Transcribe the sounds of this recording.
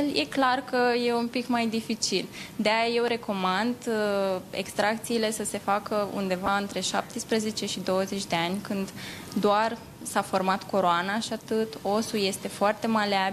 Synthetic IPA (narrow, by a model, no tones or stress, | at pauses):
ljʔe̞̰klarkəje̞unpikmajd̪ifit͡ʃild̪eajaje̞wɾe̞ko̞mand̪ | e̞̰kst̪ɾak̚t̪siːle̞səse̞fakəṵnd̪e̞vaɨnt̪ɾe̞ʃa̰p̚t̪ispɾeze̞t͡ʃe̞ʃid̪o̞wəzet͡ʃʲd̪e̞anʲkɨnd̪ | d̪oar | safo̞rmat̪koɾoanaʃiat̪ɨt̪o̞suje̞st̪e̞foart̪e̞maleab